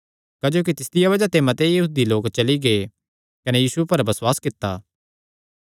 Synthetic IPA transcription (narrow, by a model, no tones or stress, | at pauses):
kaːd͡ʒoːkit̪ɪst̪ɪjaβɐd͡ʒat̪eːmɐt̪ejɐɦuːd̪iloːkt͡ʃɐliɡe | kɐnejiːsupɐɾbɐswaːskɪt̪ːaː